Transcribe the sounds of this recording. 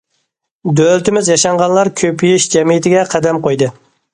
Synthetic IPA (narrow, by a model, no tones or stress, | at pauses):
d̪ølt̪ɪmɪzjɑʃɑɴʁɑnlˠɑɾkʲʰøpʰyjiʃd͡ʒɛmijit̪ʰɪɡʲɛqʰæd̪ɛmqojd̪ɨ